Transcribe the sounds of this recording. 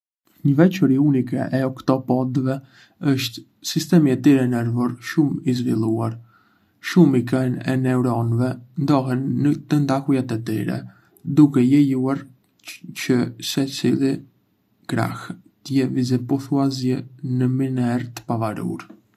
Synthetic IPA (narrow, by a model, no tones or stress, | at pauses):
ɲəvɛt͡ʃəɾiunikɛ̰ʔɛɔkt̪ɔpɔd̪vɛ | əʃt̪ | sist̪ɛmiɛt̪iɾɛnɛɾvɔɾʃumizvilˠuaɾ | ʃumikɛnɛ̰nɛuɾɔnvɛnd̪ɔɦɛnːət̪ənd̪ahujat̪ɛt̪iɾɛ̰ | d̪ukɛjɛjuaɾ | t͡ʃəsɛt͡silˠi | ɡ̥ɾa̰h | t̪əjɛvizɛpɔθuazjɛnəminɛɾt̪ə̥pavaɾṵɾ